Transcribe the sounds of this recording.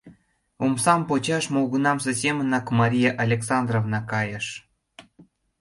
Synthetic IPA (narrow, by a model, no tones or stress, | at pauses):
umsɑmpot͡ɕɑʃmolɣunɑmsɤ̆sʲemənɑkmɑɾʲijɑʔalʲeksɑnd̪rovnɑkɑjə̆ʃ